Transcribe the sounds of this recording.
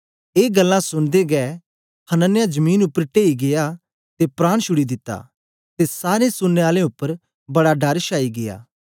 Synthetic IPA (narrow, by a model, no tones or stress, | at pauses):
eːɡɐlːãsʊñd̪eɡɛː | hɐnənːjad͡ʒɐmiːnʊpːəɾʈeːiɡɪja | t̪epɾaːɽ̃ʃʊɽid̪ɪt̪ːa̰ː | t̪esaːɾesʊnːeaːlẽʊpːəɾ | bɐɽaɖɐɾʃaːiɡɪja̰ː